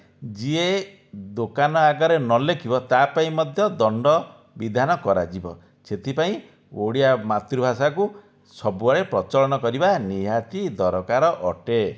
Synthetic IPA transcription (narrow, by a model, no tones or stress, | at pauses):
d͡ʒie | d̪okanɔaɡɔɾenɔlekʰibɔt̪apaĩmɔd̪ʱjɔd̪ɔɳɖɔ | bid̪ʱanɔkɔɾa̰d͡ʒibɔ̰ | set̪ʰipaĩ | oɽiamat̪ɾubʱasaku | sɔbuaɽepɾɔt͡ʃɔɭɔnɔkɔɾibaniɦat̪id̪ɔɾɔkaɾɔʔɔʈe